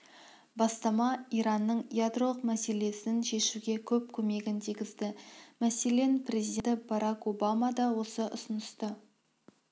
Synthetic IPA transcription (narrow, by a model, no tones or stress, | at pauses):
bɑst̪ɑmɑiɾɑnːəɴjad̪ro̞lˠəqmæse̞le̞sɪnʃe̞ʃuɡʲe̞kʲʰɵp̚kʲʰɵme̞ɡʲɪnt̪ʰijɡʲɪzd̪ɪmæse̞le̞nprʲe̞zijd̪et̪ɪbɑɾɑko̞bɑmɑd̪ɑwo̞səʔʊsʊnəst̪ə